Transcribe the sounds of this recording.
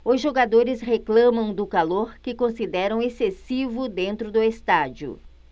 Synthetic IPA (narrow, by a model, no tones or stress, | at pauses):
ʊzʒoɡad̪oɾɪsɦeklɐ̃mɐ̃w̃d̪ʊkaloɾkɪkõsid̪ɛɾɐ̃w̃esesivʊd̪ẽnt̪ɾʊd̪ʊest̪ad͡ʒjʊ̰